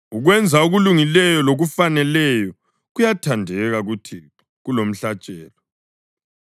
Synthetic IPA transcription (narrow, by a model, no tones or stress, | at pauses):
uɣwɛnd͡zʱauɣuluŋilɛjɔloɣufanɛlɛjɔ | ɣujatʰandʱɛɣaɣutʰi | ɣulom̩ɬat͡ʃʼɛːlɔ